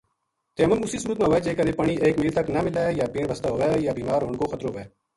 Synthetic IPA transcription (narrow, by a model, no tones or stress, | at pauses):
t̪eːəmənʊsiːsuːɾət̪̬̚mãːɦʋeːd͡ʒeːkəneːpəɳ̃iːʔeːkmiːlt̪əknəmɪlaːjaːpĩːɳʋəst̪aɦoːʋeːjaːbiːmaːɾɦoːɳkoːxət̪ɾoːʋeː